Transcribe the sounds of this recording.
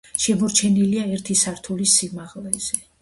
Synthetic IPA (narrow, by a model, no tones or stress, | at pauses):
ʃɛmɔɾt͡ʃʰɛniliaɛɾt̪ʰisaɾt̪ʰulisimaʁlɛz̥ɛ